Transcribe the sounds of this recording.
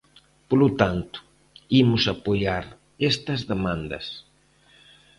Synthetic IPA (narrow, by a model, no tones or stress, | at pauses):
polot̪ant̪ʊ̥ | imʊsapojaɾ | est̪ɐzðemãnd̪ɐ̰s